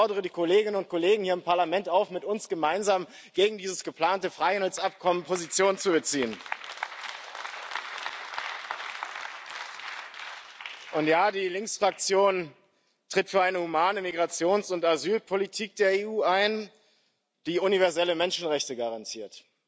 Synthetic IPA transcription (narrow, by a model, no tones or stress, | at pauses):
ɔɐdəʁ̞ədiːkʰoleːɡɪnənʊnt̚kʰoleːɡŋ̩hiːɐɪmpʰaɐlamɛntaʊfmɪtʊnsɡ̥əmaɪnzaːm | ɡ̥eːɡŋ̩diːzəsɡ̥əpl̥aːntəfʁ̥aɪhandlt͡sap̚kʰɔmənpʰozit͡sjoːnənt͡subət͡siːən | ʔʊntjaːdiːlɪŋksfʁ̥ak̚t͡sjoːn | tʁ̥ɪtfyːɐʔaɪnəhumaːnəmiɡʁat͡sjoːnsʊntazyːlpʰolitʰiːk̚d̥eːɐeːuːaɪn | d̥iːʊnivɛɐzɛləmɛnʃn̩ʁɛçtəɡaʁantʰiːɐt